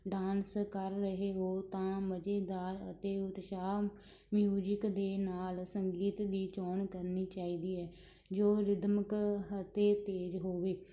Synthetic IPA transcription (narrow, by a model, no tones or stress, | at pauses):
ɖaːnskəɾːəɦeːɦoːt̪ãːməd͡ʒeːd̪aːɾə̰t̪eːʊt̪ʃaː | mjuːd͡ʒəkd̪eːnaːlsəŋɡiːt̪ʋ̪iːt͡ʃɔːɳkəɾniːt͡ʃaːiːd̪iːɛː | d͡ʒoːɾɪd̪məkt̪eːt̪eːd͡ʒɦoːʋeː